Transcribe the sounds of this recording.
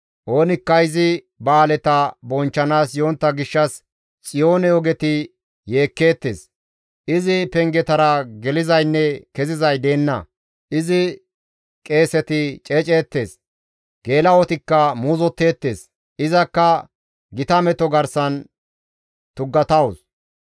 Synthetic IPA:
ʔo̞ːnɪkːɐɪzɪ | baːlɛt̪ɐbɔnt͡ʃːɐnaːsjoːnt̪ːɐɡɪʃːɐs | t͡sʼɪjo̞ːnɛɔɡɛt̪ɪ | je̞ːkːe̞ːt̪ːe̞̰ːs | ʔɪzɪpɛŋɡɛt̪ɐɾɐɡɛlɪzɐjnːɛkɛzɪzɐjd̪e̞ːnːɐ̰ | ʔɪzɪ | kʼe̞ːsɛt̪ɪt͡ʃʼeːt͡ʃʼeːt̪ːe̞ːs | ɡ̥e̞ːlɐɔt̪ɪkːɐmuːzɔt̪ːe̞ːt̪ːe̞ːs | ʔɪzɐkːɐ | ɡɪt̪ɐmɛt̪ɔɡɐɾsɐn | t̪ʊɡːɐt̪ɐwʊs

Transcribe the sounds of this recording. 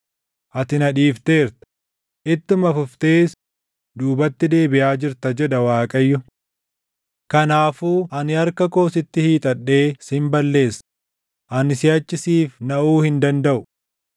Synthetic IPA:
ʔɐt̪ɪnɐᶑiːft̪e̞ːɾt̪ɐ̥ | ʔɪt̪ːɪmɐfʊft̪e̞ːs | d̪uːbɐt̪ːɪd̪e̞ːbɪʔaːd͡ʒɪɾt̪ɐd͡ʒɛᶑ̪ɐwaːkʼɐjːʊ | kɐnaːfuːʔɐnɪɐɾkɐko̞ːsɪt̪ːɪhiːt̪ʼɐᶑːe̞ːsɪmbɐlːe̞ːsː | ʔɐnɪsɪɐt͡ʃːɪsiːfnɐʔuːhɪnd̪ɐnd̪ɐʔʊ

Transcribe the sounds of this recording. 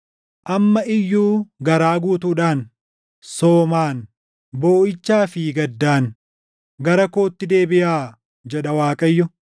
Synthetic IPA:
ʔɐmːɐʔɪjːuːɡɐɾaːɡuːt̪uːᶑaːn | soːmaːn | boːʔɪt͡ʃːaːfiːɡɐd̪ːaːn | ɡɐɾɐko̞ːt̪ːɪd̪e̞ːbɪjaː | d͡ʒɛᶑɐwaːkʼɐjːʊ

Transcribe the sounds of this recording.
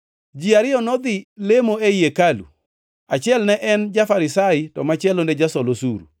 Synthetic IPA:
d͡ʒiaɾɪɔnɔd̪ɪlemoeiekalṵ | at͡ʃɪɛlnɛʔɛnd͡ʒafaɾɪsaɪtɔmat͡ʃɛlonɛd͡ʒasɔlosuɾṵ

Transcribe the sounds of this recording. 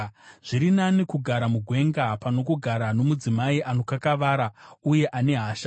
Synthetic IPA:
ʐ̥iɾinanikuɡʱaɾamuɡʱwe̞ŋɡapano̞kuɡʱaɾano̞mud͡zimaiʔano̞kakaʋaːɾauje̞ʔane̞ɦaːʃa

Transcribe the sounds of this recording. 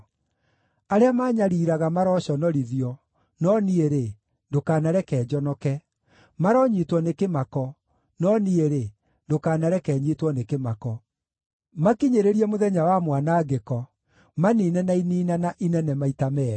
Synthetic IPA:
aɾeamaːɲaɾiːɾaɣamaɾɔɕɔnɔɾiðjɔ | nɔnieɾe | ndokaːnaɾɛkɛːd͡ʒɔnɔkɛ | maɾɔɲitwɔnekemakɔ | nɔnieɾe | ndokaːnaɾɛkɛːɲiːtwɔnekemakɔ | makiɲeɾeɾiɛmoðɛɲawamwanaɡekɔ | maniːnɛnainiːnanaʔinɛnɛmaitamɛ

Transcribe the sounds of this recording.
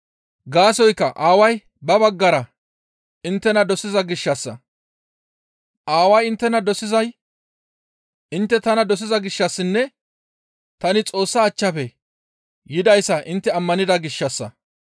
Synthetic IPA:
ɡaːsɔjkːɐʔaːwɐj | bɐbɐɡːɐɾɐ | ɪnt̪ːɛnɐd̪ɔsɪzɐɡɪʃːɐsːɐ̰ | ʔaːwɐjɪnt̪ːɛnɐd̪ɔsɪzɐj | ʔɪnt̪ːɛt̪ɐnɐd̪ɔs̬ɪzɐɡɪʃːɐsːɪnːɛ | t̪ɐnɪt͡sʼo̞ːsːaːt͡ʃːɐpɛ | jɪd̪ɐjsːɐʔɪnt̪ːɛɐmːɐnɪd̪ɐɡɪʃːɐsːɐ̰

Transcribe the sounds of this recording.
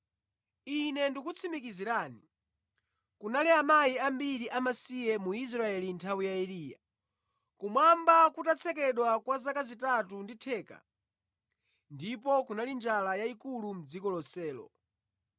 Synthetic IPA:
inɛndikut͡sʰimikiziɾani | kunaliamaiambiɾiʔamasijɛmuis̬ɾaɛlintʰawijaɛliːja̰ | kumwambakutat͡sʰɛk̬ɛɗwakwazakazitatunditʰɛːka̰ | ndip̬ɔkunalind͡ʒalajaikulum̩d͡zikɔlɔsɛːlɔ̰

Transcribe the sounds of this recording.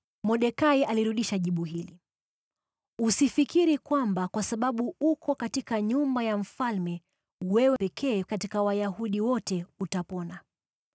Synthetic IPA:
mɔɗɛkaialiɾuɗiʃaʄiɓuɦili | usifikiɾikwambakwasaɓaɓuukɔkatikaɲumbajam̩falmɛ | wɛwɛpɛkʰɛːkatikawajaɦuɗiwɔtɛutapɔna

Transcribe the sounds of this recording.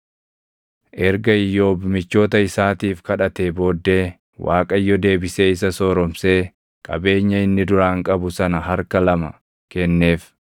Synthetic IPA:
ʔɛɾɡɐɪjːo̞ːbɪmɪt͡ʃːo̞ːt̪ɐɪsaːt̪iːfkɐᶑɐt̪eːbo̞ːd̪ːe̞ː | wa̰ːkʼɐjːɔd̪e̞ːbɪse̞ːɪs̬ɐsoːɾɔmseː | kʼɐ̰be̞ːɲːɐɪnːɪd̪ʊɾaːŋkʼɐbʊsɐnɐɦɐɾkɐlɐmɐ | kɛnːe̞ːf

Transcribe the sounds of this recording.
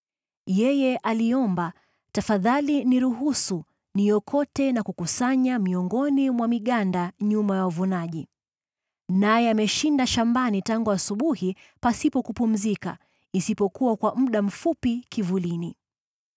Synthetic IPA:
jɛjɛʔaliɔmba | tafaðaliniɾuɦusu | nijɔkʰɔtɛnakukusaɲamiɔŋɡɔnimwamiɠandaɲumajawuvunaʄi | najɛamɛʃindaʃambanitaŋɡuasuɓuhi | pasipɔkupum̩zika̰ | isipɔkuwakwam̩ɗam̩fupikivulini

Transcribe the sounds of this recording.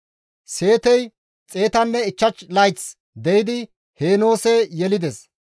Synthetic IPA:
se̞ːt̪ɛj | t͡sʼe̞ːt̪ɐnːɛɪt͡ʃːɐt͡ʃlɐjt͡s | d̪ɛjɪd̪ɪ | heːno̞ːsɛjɛlɪd̪ɛs

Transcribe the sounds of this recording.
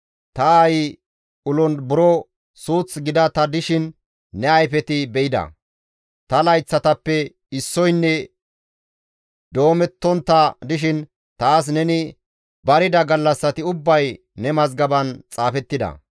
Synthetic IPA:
t̪ɐj | ʊlɔnbʊɾɔ | suːt͡sɡɪd̪ɐt̪ɐd̪ɪʃɪnː | ɛɐjfɛt̪ɪbɛɪd̪ɐ̰ | t̪ɐlɐjt͡sːɐt̪ɐpːɛ | ɪsːɔjnːɛ | d̪o̞ːmɛt̪ːɔnt̪ːɐd̪ɪʃɪn | t̪aːs̬nɛnɪ | bɐɾɪd̪ɐɡɐlːɐsːɐt̪ɪʊbːɐj | nɛmɐzɡɐbɐnt͡sʼaːfɛt̪ːɪd̪ɐ̰

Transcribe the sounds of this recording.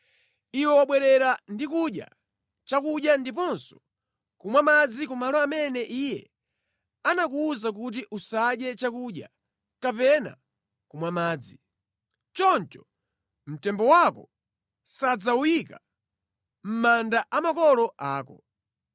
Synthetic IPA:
iwɛwaɓwɛɾɛɾandikuɗja̰ | t͡ʃakuɗjandipɔnsɔ̥ | kumwamad͡zikumalɔamɛnɛʔiːjɛ | anakuuzak̬ut̬iʔusaɗjɛt͡ʃakuɗja̰ | kapɛna̰ | kumwamaːd͡zi | t͡ʃɔnt͡ʃɔ̥ | m̩tɛmbɔwakɔ | sad͡zaujika | m̩mandaʔamakɔlɔaːkɔ̰

